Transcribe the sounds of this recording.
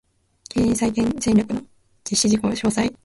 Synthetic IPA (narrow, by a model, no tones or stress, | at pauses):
keːĩsaikẽnsẽ̞nʲɾʲokɯ̟no̞ | d͡ʑ̥iɕːiʑiko̞ːɕoːsai